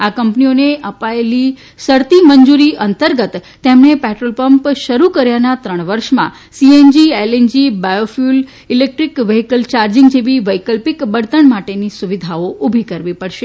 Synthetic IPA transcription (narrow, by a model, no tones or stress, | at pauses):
akəmpnioneʔəpaeli | səɾt̪iməɲd͡ʒuɾiʔənt̪əɾɡət̪ːemnepɛʈɾolpəmpʃəɾukəɾjanat̪ɾəɳ̃ʋəɾʃmã̰ | siend͡ʒielend͡ʒibajofjul | ilek̚ʈɾikʋəɦikəlt͡ʃaɾd͡ʒɪŋɡd͡ʒeʋiʋəjkəlpikbəɽt̪əɳmaʈenisuʋid̪ʱaoʔubʱikəɾʋipəɽʃe